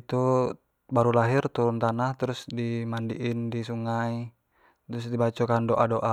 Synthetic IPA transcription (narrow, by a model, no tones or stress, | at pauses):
it̪u | baɾulaɦirt̪uɾunt̪anaht̪əɾusdimandḭʔindisuŋai | t̪əɾusdibat͡ʃɔkandoʔadoʔa